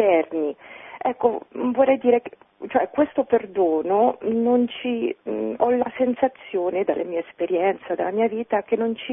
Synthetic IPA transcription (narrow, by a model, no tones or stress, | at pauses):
ɛrniɛkːovorːɛjd̪iːɾek | t͡ʃoɛkːwest̪operd̪oːnonont͡ʃiɔlasensat̪sːjoːned̪a̰lːʔamiːaespeɾjɛnt̪sad̪alːamiːaviːt̪ak̟enːont͡ʃi